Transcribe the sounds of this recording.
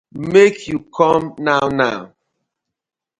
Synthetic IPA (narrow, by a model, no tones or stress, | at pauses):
mekʰjukʰɔmnaʊnaʊ